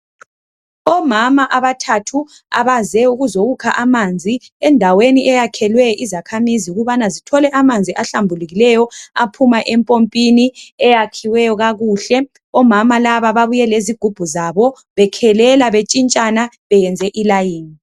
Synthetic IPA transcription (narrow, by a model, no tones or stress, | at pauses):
ɔmamaʔaβatʰatʰu | a̰βazɛuɣuzoɣukʰaʔamand͡zʱiɛndʱaweniʔɛjakʰɛlwɛizakʰamiziuɣuβanazitʰɔlɛʔamand͡zʱiʔaɬambʱuluɣilɛjɔapʰumaʔɛmpʼompʼiniɛjakʰiwɛjɔɣaɣuɬɛ | ɔmamalaβaβaβujɛleziɡ̥ʱub̥ʱuzaβɔ | βɛkʰɛlɛlaβet͡ʃʼint͡ʃʼana | βɛjɛnd͡zʱɛʔilajiːni